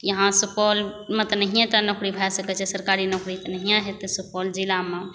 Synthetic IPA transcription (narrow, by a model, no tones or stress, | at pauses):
jəɦãsupɔlmẽt̪ɔnəɦijãt̪anokɾibʱasəkɛt͡ʃʰɛsəɾkaɾinokɽit̪ɔnəɦijãɦet̪əsupɔld͡ʒilamẽ